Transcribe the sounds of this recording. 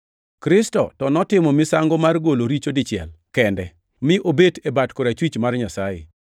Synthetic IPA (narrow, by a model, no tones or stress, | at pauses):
kɾɪstɔ̰tɔnɔtɪmɔmɪsaŋɡɔmarɡoloɾit͡ʃodɪt͡ʃjɛ̰lkɛndɛ | mɪʔobetebatkoɾat͡ʃwit͡ʃmarɲasajɪ̰